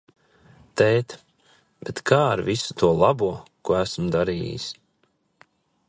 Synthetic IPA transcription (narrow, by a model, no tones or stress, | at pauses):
t̪ɛjt̪ | b̥et̪kʰaːɾvisu̥t̪uɔlˠabuɔkuɔæsmd̪aɾḭːjḭs